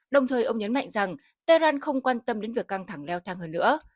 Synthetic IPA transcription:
ɗə˨˩wŋ͡mt̪ʰəː˨˩jʔə˧wŋ͡mɲə˨˦nma̰˧˨jŋ̟za˨˩ŋ | t̪aː˧jlwaː˧nxə˧wŋ͡mkwaː˧nt̪ə˧mɗe˨˦nvi˨˩əkːa˧ŋt̪ʰa˧˩ŋlɛ˧wt̪ʰaː˧ŋhəː˧nːɨ̰˧˥ə

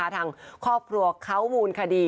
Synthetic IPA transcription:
a˦˧˥t̪ʰaː˧ŋkʰɔː˥˩p̚kʰɾu˧ɐkʰa˦˥˩wmuː˧nkʰa˧diː˧

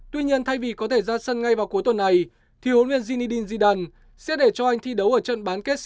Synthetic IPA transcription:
t̪wi˧ɲi˧ənt̪ʰa˧jvi˨˩kɔ˨˦t̪ʰe˧˩zaː˧sə˧nŋa˧jvaː˨˩wku˨˦jt̪wə˨˩nːa˨˩j | t̪ʰi˨˦ho˨˦nvi˧ənzi˧ni˧ɗi˧nzi˧ɗaː˧˩n | sɛ̰˧˥ɗe˧˩t͡ɕɔ˧ʔa˧jŋ̟t̪ʰi˧ɗə˨˦wʔəː˧˩t͡ɕə̰˧˨nɓaː˨˦nke˦˥t̚

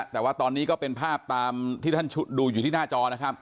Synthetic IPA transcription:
t̪ɛː˨˩waː˥˩t̪ɔː˧nːiː˦˥kɔː˥˩pe˧npʰaː˥˩p̚t̪aː˧mt̪ʰiː˥˩a˥˩nt͡ɕʰu˦˥t̪̚duː˧juː˨t̪ʰiː˥˩naː˥˩t͡ɕɔː˧na˦˥kʰa˦˥p̚

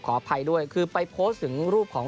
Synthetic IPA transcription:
kʰɔː˩˦pʰa˧jdu˥˩əjkʰɯː˧pa˧jpʰoː˦˥t̪ʰɯ˩˦ŋɾuː˥˩p̚kʰɔː˩˦ŋ

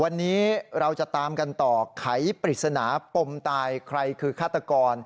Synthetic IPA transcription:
wa˧nːiː˦˥ɾa˧wt͡ɕa˨˩t̪aː˧mka˧nt̪ɔː˨˩kʰa˩˦jpɾi˨˩sa˧naː˩˦po˧mt̪aː˧jkʰɾa˧jkʰɯː˧kʰaː˥˩t̪ːa˧kɔː˧n

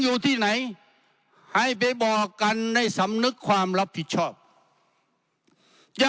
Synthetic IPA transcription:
ŋjuː˨˧˩t̪ʰiː˥˩na˨˦j | ha˨˩jp̬a˧˦jbɔː˨˩kːa˧nda˥˩jsa˨˦mnɯ˦˥kʰːwaː˧mla˦˥pʰːi˨˩t̪̚t͡ɕʰɔː˥˩p̚ | ja˧

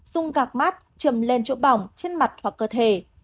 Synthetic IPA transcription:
z̥ʊ˧ŋ͡mɣaː˨˩k̚ma˦˥t̚t͡ɕə˨˧˩mle˧nt͡ɕo̰˧˥ɓa˨˧˩wŋ͡mt͡ɕe˧nma˨˩t̚hwa˨˩kːəː˧˩t̪ʰe˧˩

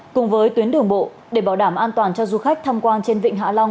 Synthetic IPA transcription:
kʊ˨˩ŋ͡mvəː˨˦jt̪wi˨˦nɗɨ˨˩əŋɓo̰˧˨ | ɗe˧˩ɓaː˧˩wɗaː˧˩mʔaː˧nt̪waː˨˩nt͡ɕɔ˧zu˧xa˦˥k̚t̪ʰa˧mkwaː˧nt͡ɕe˧nvḭ˧˨ŋ̟ɦa̰˧˥la˧wŋ͡m

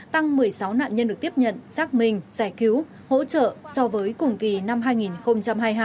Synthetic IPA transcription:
t̪a˧ŋmɨ˨˩əjsa˨˦wna̰ː˧˨nɲə˧nɗɨ˨˩ət̪i˦˥əp̚ɲə̰˧˨nsaː˦˥k̚mï˨˩ŋ̟zaː˧˩jki˨˦w | ho̰˧˥t͡ɕə̰ː˧˨sɔ˧vəː˨˦jkʊ˨˩ŋ͡mki˨˩na˧mɦaː˧jŋi˨˩nxə˧wŋ͡mt͡ɕa˧mhaː˧jɦaː˧j

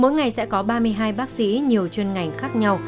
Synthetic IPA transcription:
mo̰˧˨˦jŋa˨˩jsɛ̰˧˥kɔ˨˦ɓaː˧mɨ˧əjɦaː˧jɓaː˦˥k̚sḭ˧˥ɲi˨˩əwt͡ɕwe˧nŋa˨˩jŋ̟xaː˦˥k̚ɲa˧w

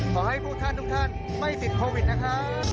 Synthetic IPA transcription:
hɔ˨˩ha˧˩jku˧˥t̪ʰaː˧nt̪ʊ˧˥ŋ̚t̪ʰaː˧n | ma˧˩jp̪i˨˩kʰo˧vi˨˩t̚na˨˧˥kʰaː˦˥

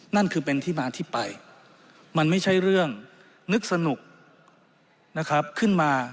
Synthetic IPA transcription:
na˥˩nkʰɯː˧p̬e˧nt̪ʰiː˥˩maː˧t̪ʰiː˥˩pa˧j | ma˧nma˥˩jt͡ɕʰa˥˩jɾɯ˥˩əŋ | nɯ˦˥k̚sa˧nu˨˩k̚ | na˦˥kʰɾa˦˥p̚kʰɯ˥˩nmaː˧

